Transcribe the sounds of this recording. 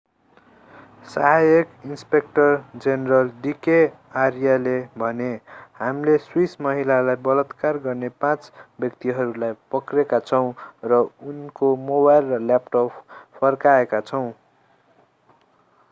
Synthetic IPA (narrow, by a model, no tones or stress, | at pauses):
saɦajekinspek̚ʈʌrd͡zenerʌld̪ike | arjalebʱʌnehamleswismʌɦilalajbʌlʌt̪karɡʌrnepãt͡sbjʌkt̪iɦʌɾulajpʌkrekat͡sʰʌw̃rʌunkomobajlrʌlːapʈopʰːʌrkaekat͡sʰʌw̃